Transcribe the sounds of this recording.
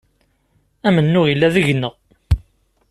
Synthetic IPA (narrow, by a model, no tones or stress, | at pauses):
æmənːʊʁjəlːæðəʝnːəʁ